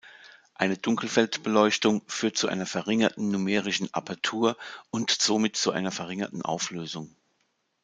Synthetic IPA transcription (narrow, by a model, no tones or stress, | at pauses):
ʔaɪnədʊŋkl̩fɛltb̥əlɔʏçtʊŋfyːɐt̚t͡suʔa̰ɪnɐfɛɐʁɪŋɐtn̩numɛːʁɪʃn̩ʔa̰pʰaɐtʰuːɐʔʊntz̥oːmɪtt͡suʔa̰ɪnɐfɛɐʁɪŋɐtn̩ʔa̰ʊfløːzʊŋ